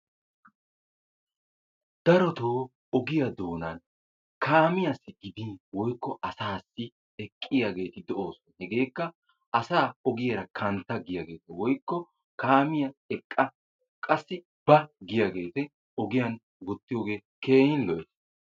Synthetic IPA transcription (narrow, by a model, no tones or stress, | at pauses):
d̪̥ɐɾɔt̪oː | ɔɡɪjɐd̪o̞ːnɐn | kʰaːmɪjasːɪɡɪd̪iwɔjkːɔʔɐsaːsːɪ | ɛkʼːɪjaɡe̞ːt̪ɪd̪ɔʔo̞ːsɔnɐhɛɡe̞ːkːɐ | ʔɐsaːɔɡɪjɐɾɐkʰɐnt̪ːɐɡɪjɐɡe̞ːt̪ɛwɔjkːɔ | kaːmɪjɐɛkʼːɐ | kʼɐsːɪ | b̥ɐɡɪjaɡe̞ːt̪ɛ | ɔɡɪjɐn | ɡɔt̪ːɪjoːɡe̞ː | kʰeːjɪnlɔʔɛs